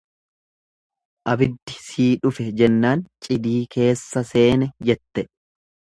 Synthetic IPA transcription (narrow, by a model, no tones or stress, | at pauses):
ʔɐbɪd̪ːɪsiːᶑʊfɛd͡ʒɛnːaːnt͡ʃʼɪd̪iːkʰe̞ːsːɐse̞ːnɛd͡ʒɛt̪ːɛ